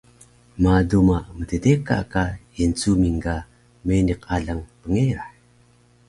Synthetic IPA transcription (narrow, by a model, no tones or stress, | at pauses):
madumamətədeka̰kaint͡sumiŋɡa | meniqaɮaŋpəŋeɾa